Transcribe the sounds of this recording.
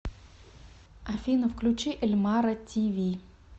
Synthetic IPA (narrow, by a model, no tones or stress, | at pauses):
ɐfʲinəfklʲʊt͡ɕiʔɪlʲmaɾətʲivʲi